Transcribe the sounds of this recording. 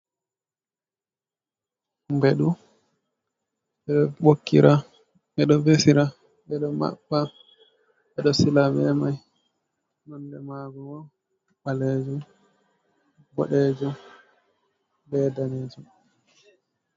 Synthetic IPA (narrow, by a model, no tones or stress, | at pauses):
mbɛɗu | ɓɛɗɔɓokːḭɾʔa | ɛɗɔvesiɾa | bɛɗɔma̰ɓːa | ɓɛɗɔsilabɛmaj | nɔndɛmaɡɔwa | ɓalɛd͡ʒɔ | ɡɔ̰ɗɛːd͡ʒɔ | bɛːdaned͡ʒu